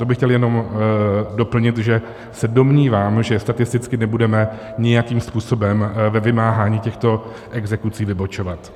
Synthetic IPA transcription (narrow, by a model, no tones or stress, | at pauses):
t̪obɪxcɛljɛno̞m | do̞pl̩ɲɪt̪ʒɛ | sɛdo̞mɲiːvaːmʒɛst̪at̪ɪst̪ɪt͡skɪnɛbudɛmɛ | ɲɪjakiːmspuːso̞bɛmvɛvɪmaːɦaːɲiːcɛxt̪o̞ | ʔɛɡzɛkut͡siːvɪbo̞t͡ʃo̞vat̪